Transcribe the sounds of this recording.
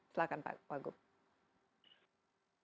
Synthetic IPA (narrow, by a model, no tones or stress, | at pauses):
slakanpa̰waɡʊp̚